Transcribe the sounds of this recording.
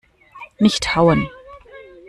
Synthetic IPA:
nɪçthawən

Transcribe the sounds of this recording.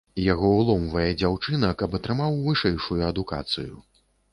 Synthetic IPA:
jaɣɔulˠɔmvɐjɛd͡zʲawt͡ʂɨnɐkɐpɐt̪ɾɨmawvɨʂɛjʂujuɐd̪uka̰t̪sɨjṵ

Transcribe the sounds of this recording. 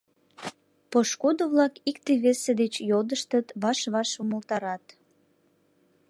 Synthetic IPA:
poʃkod̪oβlɑkikt̪eβesed̪et͡ɕjod̪əʃt̪ət̪βɑʃβɑʃuməlt̪ɑɾɑt̪

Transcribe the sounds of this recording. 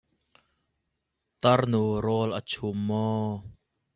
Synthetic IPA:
t̪ɐrnuɾɔlʔət͡sʰumːɔː

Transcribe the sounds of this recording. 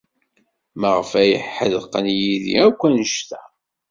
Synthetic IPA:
məʁəfæjə̰ħːəðqənjiðḭækʷːænəʃt̪æ

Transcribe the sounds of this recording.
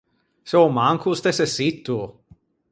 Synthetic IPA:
seomaŋkʰust̪esesit̪ːu

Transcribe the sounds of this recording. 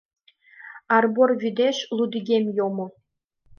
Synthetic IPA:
ɑrborvʲyd̪ʲeɕlˠud̪ʲiɡʲemʲjomŏ

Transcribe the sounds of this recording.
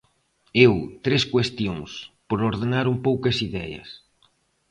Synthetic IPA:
ewt̪ɾeskwest̪jõŋspoɾoɾðenaɾumpowkɐsiðɛ̰jɐ̰s

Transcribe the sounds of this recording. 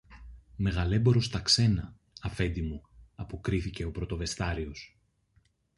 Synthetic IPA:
me̞ɣɐle̞bo̞ɾo̞st̪ɐkse̞nɐː | fe̞nd̪imuɐpokɾiθice̞o̞pɾo̞t̪o̞ve̞st̪ɐɾio̞s

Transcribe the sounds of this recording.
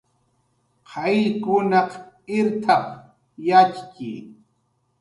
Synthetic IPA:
qʰɑjkʊnɑq | ɪɾt̪ʰɑq | jat͡ʃki

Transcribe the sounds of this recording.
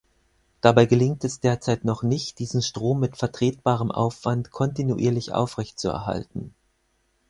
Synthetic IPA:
d̥abaɪɡəlɪŋtɛsd̥eːɐt͡saɪtnɔχnɪçt̚d̥iːzn̩ʃtʁ̥oːmːɪtfɛɐtʁ̥eːt̚b̥aːʁ̞əmʔa̰ʊfv̥antkʰɔntinuʔḭːɐlɪçʔa̰ʊfʁɛçtt͡suɛ̰ɐɦa̰ltn̩

